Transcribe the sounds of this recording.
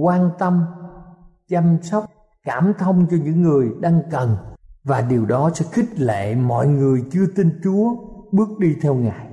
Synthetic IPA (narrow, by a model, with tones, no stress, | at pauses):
kwaː˧nt̪ə˧m | t͡ɕa˧msa˦˥wk͡p̚ | kaː˧˩mt̪ʰə˧wŋ͡mt͡ɕɔ˧ɲɨ̰˧˥ŋːɨ˨˩əjɗaː˧ŋkə˨˩nvaː˨˩ɗi˨˩əwɗɔ˨˦sɛ̰˧˥xï˦˥k̚lḛ˧˨mɔ̰˧˨jŋɨ˨˩əjt͡ɕɨ˧ət̪i˧nt͡ɕu˨˦əɓɨ˦˥ək̚ɗi˧t̪ʰɛ˧wŋaː˨˩j